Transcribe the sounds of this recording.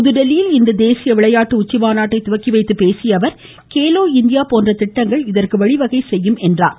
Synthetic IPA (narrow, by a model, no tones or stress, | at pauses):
ʊðɯɖɛlɪjɪlɪnd̪ɐd̪eːsɪjɐʋɪɭɐjaːʈːɯʊt͡ʃːɪʋaːnaːʈːɐɪt̪ʊʋɐkːɪʋɐɪt̪ːɯpeːsɪjɐʋɐɾ | keːloːɪnd̪ɪjaːpoːndrɐt̪ɪʈːɐŋɡɐɭɪðɐrkɯʋɐɭɪʋɐɣɐɪsɛjːɯmɛndra̰ːn